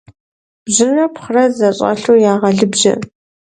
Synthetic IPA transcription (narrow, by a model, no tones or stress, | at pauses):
b̥ʑɪnrɐpχərɐzɐɕʼɐ̰ɬuːjaːʁɐɮɨbʒɐ̰